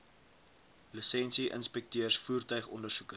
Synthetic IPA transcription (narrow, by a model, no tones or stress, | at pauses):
ləsɛnsiʔə̰nspɛk̚tiərsfuːrtœɥχɔndərsukə